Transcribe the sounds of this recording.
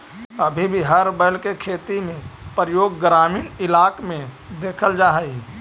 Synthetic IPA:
əbʱibʱiɦəɾbəlkekʰeːt̪imẽpɾəjoːɡːɾaːmiːnɪlaːkmẽ | d̪eːkʰəld͡ʒaːɦi

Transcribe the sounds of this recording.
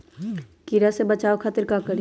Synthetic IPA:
kiɾasebɐt͡ʃaːokʰaːt̪ɪɾkakəɾi

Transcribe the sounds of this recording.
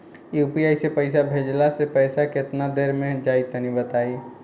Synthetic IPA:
jupijaisepəɪsabʱed͡ʒlasepəjsaket̪nad̪eɾmẽd͡ʒait̪ənibət̪ai

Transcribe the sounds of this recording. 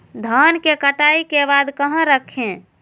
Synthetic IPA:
d̪ʱankekəʈaikebad̪kəɦãɾəkʰẽ

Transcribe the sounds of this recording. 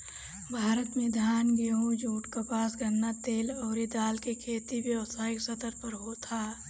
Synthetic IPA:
bʱaːɾət̪mẽd̪ʱjaːnbəɦõd͡ʒuːʈkəpaːsɡʱənːat̪eːlɔːɾid̪aːlkekʰeːt̪iʋjəwəsaːɪksət̪əɾpəɾɦot̪ʰaː

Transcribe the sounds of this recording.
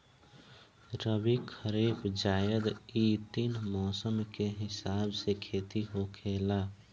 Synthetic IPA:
ɾəbikʰəɾifʰd͡ʒaːjəd̪it̪iːnmɔːsəmkeɦɪsaːbsekʰeːt̪iɦokʰeːla

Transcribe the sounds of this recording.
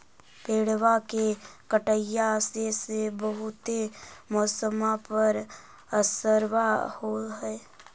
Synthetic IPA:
peːɽ̤wakekəʈəjasesebəɦʊt̪emɔːsəmapəɾ | əsəɾwahoɦɛe

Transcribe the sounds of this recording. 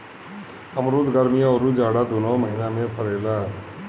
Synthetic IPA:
ɐmɾuːd̪ɡaɾmijaɔɾud͡ʒaːɽad̪unomɐinaːmepʰɐɾɐla

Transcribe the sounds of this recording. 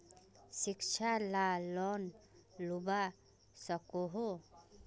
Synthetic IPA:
ʃɪkt͡ʃʰalalɔnluba | səkoɦo

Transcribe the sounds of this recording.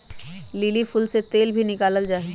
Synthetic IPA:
lilipʰʊlset̪eːlbʱinɪkaːləld͡ʒaːɦi

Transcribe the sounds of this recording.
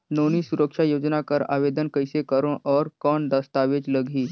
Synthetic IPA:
noːnisuɾəkʃajoːd͡ʒnakəɾa̰ːʋeːd̪ənkəjsekəɾõʔɔːɾkɔːnd̪əst̪aːʋed͡ʒləɡʱiː

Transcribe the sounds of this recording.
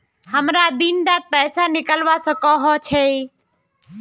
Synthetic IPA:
həmɾaːd̪inɖ̪aːt̪̚pɛːsaːnɪkəlʋaːsəkoɦoːt͡ʃʰeː

